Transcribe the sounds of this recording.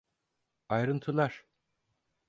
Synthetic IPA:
ajɾɯnt̪ʰɯlˠaɾ̥

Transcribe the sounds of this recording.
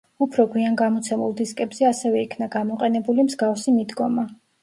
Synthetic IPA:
upʰɾɔɡwianɡamɔt̪sʰɛmulˠd̪iskʼɛbz̥ɛasɛvɛikʰnaɡamɔqʼɛnɛbulimzɡafsimid̪ɡɔma

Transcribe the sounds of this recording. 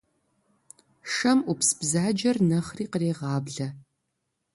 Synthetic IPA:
ʂɐmupsb̥zaːd͡ʒɐrnɐχriːqəreːʁɑːbɮɐ

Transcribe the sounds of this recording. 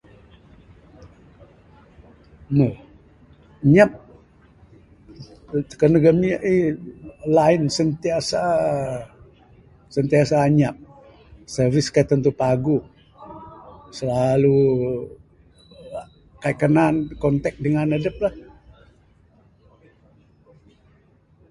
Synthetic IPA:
mə | ɲap̚ | t̪ə̥kənəɡəmiəʔi | laɪnsənt̪iasa | sənt̪iasaɲap̚ | sərvɪskait̪ənt̪upaɡu | səlalu | kaikːənankɔnt̪ɛk̚dəŋanədəp̚lah

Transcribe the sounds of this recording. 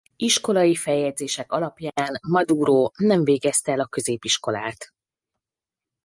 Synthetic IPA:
iʃko̞lɒjifɛjːɛd̪zeːʃɛkɒlɒpjaːnmɒd̪uːɾoːnɛɱveːɡɛst̪ɛɛlɒkø̞zeːpiʃko̞la̰ːt̪

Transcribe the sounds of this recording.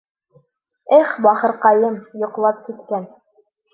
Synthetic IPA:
ɘχbɑχɤ̆ɾqɑjɤmjŏqlˠɑp̚kit̪kæn

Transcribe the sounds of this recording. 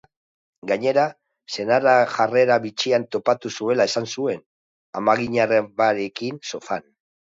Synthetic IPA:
ɡaɲe̞ɾa | se̞naraʝare̞ɾaβit͡ʃiant̪o̞pat̪usue̞lae̞sansue̞n | a̰maɣiɲareβaɾe̞kinso̞fan

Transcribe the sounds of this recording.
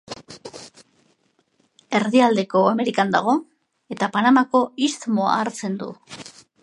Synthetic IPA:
e̞ɾðiald̪e̞ko̞ame̞ɾikand̪aɣ̞o̞ | e̞t̪apanamako̞ist̪mo̞a̰ːɾt͡se̞nd̪ṵ

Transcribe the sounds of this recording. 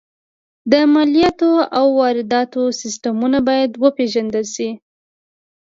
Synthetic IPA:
d̪əmalijɑt̪oawːɑɾɪd̪ɑt̪osɪs̬ʈamunabɑjad̪wəpeʒand̪əlʃi

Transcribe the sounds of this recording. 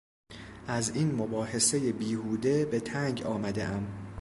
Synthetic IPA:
ʔæziːnmo̞bɒːhe̞se̞jebiːhuːd̪e̞be̞t̪ʰæŋɟɒːmæd̪e̞̰ʔæm

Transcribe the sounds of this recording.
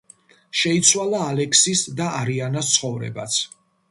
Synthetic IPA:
ʃɛit̪sʰwalˠaːlɛksisd̪aaɾianast̪sχɔvɾɛ̰ba̰t̪sʰ

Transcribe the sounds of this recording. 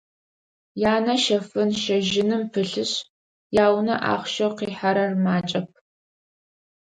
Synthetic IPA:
jaːnɐʃɐfɨnʃɐʒɪnɨmpʰɨɬɨɕ | jaːwnɐ̰ʔa̰ːχʷʃɐwqiːħaɾɐrmaːt͡ʃʼɐp̚ʰ

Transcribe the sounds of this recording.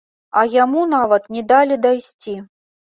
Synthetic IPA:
ɐjamunavɐt̪nʲɛd̪alʲid̪ajsʲt͡sʲi

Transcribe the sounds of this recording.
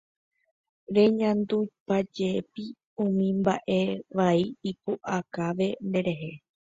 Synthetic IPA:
ɾe̞ɲãnd̪ujpad͡ʒepi | ũmĩmbaʔe̞ʋaiipoʔakaʋe̞nd̪e̞ɾe̞ɦe̞

